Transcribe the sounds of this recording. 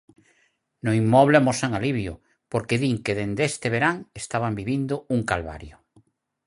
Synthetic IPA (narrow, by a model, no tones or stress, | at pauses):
nʊimːɔβleamɔsaŋaliβjʊ | poɾkeðiŋkeðend̪est̪eβ̞eɾaŋest̪aβ̞ambiβind̪ʊuŋkalβa̰ɾjʊ